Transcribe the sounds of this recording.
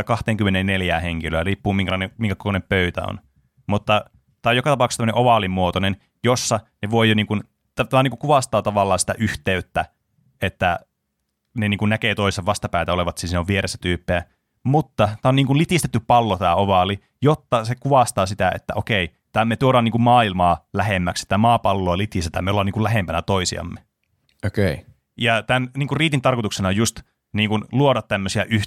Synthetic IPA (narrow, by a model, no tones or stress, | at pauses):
kɑht̪eːŋkymːeneneljæːheŋkiløːriːpːuːmiŋkælɑˑinemiŋkækokoneppøyt̪æ̰o̰n | mut̪ːɑ | t̪æːojokɑt̪ɑpɑukst̪æmøəneʔoʋɑlimuot̪onen | josːɑneʋojoniːŋkun | t̪æt̪æɑːniŋkukuʋɑst̪ɑːt̪ɑʋɑlːɑːnsi̥t̪æ̰ʔyht̪eyt̪ːæ | et̪ːæ | neniːŋkunnækeːt̪oiseʋʋɑst̪ɑpæˑit̪æoleʋɑt̪sisneoʋʋieɾesːæ̥t̪yːpːeæ | mut̪ːɑt̪æːoniːŋkulit̪ist̪et̪ːyppɑlːot̪æːoʋɑli | jot̪ːɑsekuʋɑst̪ɑːsit̪æḛt̪ːæ̰ʔokei | t̪æːmmet̪uoɾɑːniŋkummɑːilmɑːlæɦemːækse̥t̪ːæmɑːpɑlːoːlit̪ist̪et̪æmeolːɑniːŋkulæɦempænæt̪oisiɑ̰mːe | okei | jɑt̪ænniːŋkurriːt̪int̪ɑrkot̪uksenɑojust̪ | niːŋkunluoɾɑt̪t̪æmːøsiæʔy